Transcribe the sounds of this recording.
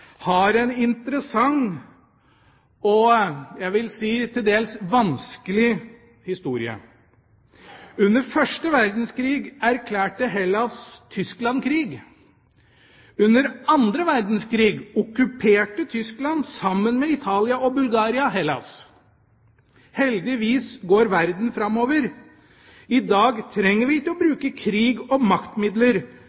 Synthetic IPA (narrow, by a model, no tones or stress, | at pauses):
hɑɾɛnɪnt̪əɾəsɑŋ | ɔjæɪʋɪlsiːt̪ʰɪld̪eːlsʋɑnskəlɪ | hɪst̪uːɾɪə̰ | ʉnːəɾfœʂʈəʋæɾd̪n̩skʰɾiːɡæɾkʰlæːʈəɦɛlɑst̪ʰʏsklɑnkʰɾiːɡ | ʉnːəɾɑnd̪ɾəʋæɾd̪n̩skʰɾiːɡɔkʉpʰeːʈət̪ʰʏsklɑnsɑmːənmɛɪt̪ʰɑːlɪɑɔbʉlɡɑːɾɪɑɦɛlɑ̰s | hɛld̪ɪʋiːsɡoːɾʋæɾd̪n̩fɾɑmːoːʋəɾ | ɪd̪ɑːɡt̪ʰɾɛŋːəɾʋɪt̪ɪlɔbɾʉːkəkʰɾiːɡɔmɑkt̪mɪd̪ləɾ